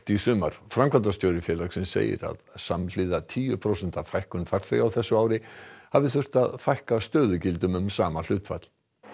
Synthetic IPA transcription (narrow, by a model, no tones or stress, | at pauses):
t̪isʏːmaɾ̥fɾamkʰvant̪ast̪joːwɾɪfjɛlaksɛnsḛːjɪ̰ɾa̰ðsamlɪːðat̪ʰiːjʏpʰɾowsɛn̥t̪avfajhkʏnfaɾ̥θeɣawθɛsːʏaːwɾɪhavðɪθʏr̥t̪aðfajhkast̪œːðʏcɪlt̪ʏmʏmsaːmal̥ʏːt̪fa̰t̪l̥